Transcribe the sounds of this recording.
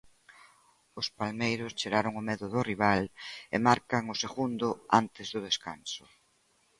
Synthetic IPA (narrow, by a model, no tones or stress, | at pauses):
ʊspalmejɾʊst͡ʃeɾaɾʊŋʊmɛðʊðʊriβ̞alḛmaɾkaŋʊseɣund̪ʊant̪ɪzðʊð̞eskansʊ̥